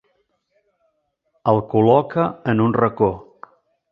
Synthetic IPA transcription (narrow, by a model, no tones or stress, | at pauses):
əlˠkulɔkəənunrəko